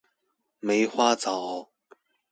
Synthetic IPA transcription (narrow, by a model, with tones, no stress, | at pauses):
me˨˥ɪxwa˥t͡sɑ˨˩˦